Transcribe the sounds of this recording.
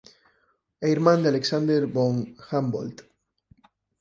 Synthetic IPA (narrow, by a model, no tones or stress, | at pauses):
ejɾmãnd̪ealeksand̪eɾboŋxambo̰lt̪